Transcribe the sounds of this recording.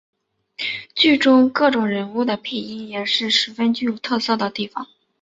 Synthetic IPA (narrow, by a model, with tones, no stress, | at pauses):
t͡ɕy˥˩ʈ͡ʂʊ˥ŋkɤ˥˩ʈ͡ʂʊ˨˩ŋɻə˧˥nu˥˩d̪ə˩pʰe˥˩ɪi˥jɛ˨˩ʂɻ̩˥˩ʂɻ̩˧˥fə˥nt͡ɕy˥˩ju˨˩t̪ʰɤ˥˧sɤ˥˩d̪ə˩t̪i˥˩fɑ˨˩˦ŋ